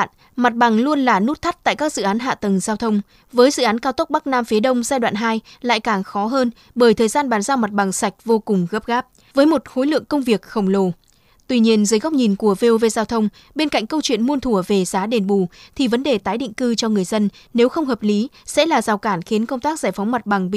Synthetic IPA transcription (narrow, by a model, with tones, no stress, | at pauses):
n | ma˨˩t̚ɓa˨˩ŋlu˧ənlaː˨˩nu˦˥t̚t̪ʰa˦˥t̚t̪a̰ː˧˨jkaː˦˥k̚zɨ̰˧˨ʔaː˨˦nɦa̰ː˧˨t̪ə˨˩ŋzaː˧wt̪ʰə˧wŋ͡m | vəː˨˦jzɨ̰˧˨ʔaː˨˦nkaː˧wt̪ə˦˥k͡p̚ɓa˦˥k̚naː˧mfi˨˦ɗə˧wŋ͡mzaː˧jɗwa̰ː˧˨nɦaː˧jla̰ː˧˨jkaː˨˩ŋxɔ˨˦ɦəː˧n | ɓəː˧˩jt̪ʰəː˨˩jzaː˧nɓaː˨˦nzaː˧wma˨˩t̚ɓa˨˩ŋsa˨˩jk̟̚vo˧kʊ˨˩ŋ͡mɣəː˦˥p̚ɣaː˦˥p̚ | vəː˨˦jmo˨˩t̚xo˨˦jlɨ̰˧˨əŋkə˧wŋ͡mvi˨˩ək̚xə˧˩wŋ͡mlo˧˩ | t̪wi˧ɲi˧ənzəː˨˦jɣa˦˥k͡p̚ɲi˨˩nku˧˩əve˧o˧ve˧zaː˧wt̪ʰə˧wŋ͡m | ɓe˧nka˧˨jŋ̟kə˧wt͡ɕwḭ˧˨ənmu˧ənt̪ʰu˧˩əve˨˩zaː˨˦ɗe˨˩nɓu˧˩t̪ʰi˨˩və˨˦nɗe˨˩t̪aː˨˦jɗḭ˧˨ŋ̟kɨ˧t͡ɕɔ˧ŋɨ˨˩əjzə˧nne˨˦wxə˧wŋ͡mhəː˨˩p̚li˨˦sɛ̰˧˥laː˨˩zaː˨˩wkaː˧˩nxi˨˦ənkə˧wŋ͡mt̪aː˦˥k̚zaː˧˩jfa˨˦wŋ͡mma˨˩t̚ɓa˨˩ŋi˧˨